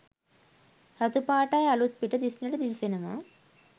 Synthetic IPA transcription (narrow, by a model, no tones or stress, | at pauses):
ɾɐt̪upaːʈajɐlut̪̚piʈəd̪isnɐʈəd̪ilsenɐma̰